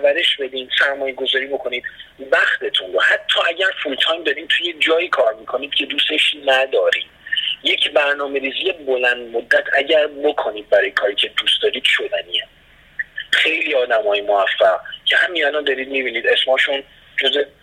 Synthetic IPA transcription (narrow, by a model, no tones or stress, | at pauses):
ɾvæɾe̞ʃbe̞d̪iːnsæɾmɒːjeɡo̞zɒːɾiːbo̞kʰo̞niːd̪væxt̪e̞t̪ʰunɾohæt̪ʰːɒːʔæɟʲæɾfult̪ʰɒːjmd̪ɒːɾiːmt̪ʰujed͡ʒɒːiːkʰɒːɾmiːkʰo̞niːd̪cʰe̞d̪uːse̞ʃnæd̪ɒːɾiːmjecʰbæɾnɒːme̞ɾiːziːje̞bo̞lænd̪mod̪ːæt̪ʰæɟæɾbo̞kʰo̞niːd̪̚bæɾɔːjekʰɒːɾiːcʰe̞d̪uːst̪ɒːɾiːd̪̥ʃo̞d̪ænie | xe̞jliːɒːd̪æmɒːjemoæfːæʁcʰe̞hæminælɒnd̪ɒːɾiːd̪̚mibiːniːd̪e̞smɒːʃun | d͡ʒoze